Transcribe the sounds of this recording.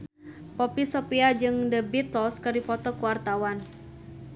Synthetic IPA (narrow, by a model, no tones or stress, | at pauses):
pɔpisɔpiad͡ʒɨŋdəbit̪ɔskərdipɔt̪ɔkuwart̪awan